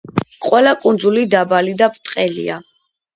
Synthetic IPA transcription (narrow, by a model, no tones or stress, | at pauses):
qʼwɛlakʼund̪zulid̪abalid̪apʰt̪ʼqʼɛlḭa